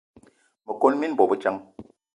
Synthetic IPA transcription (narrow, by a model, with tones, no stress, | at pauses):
mə˨ko˦nmi˦n˦bɔ˨bə˦t͡ʃa˦ŋ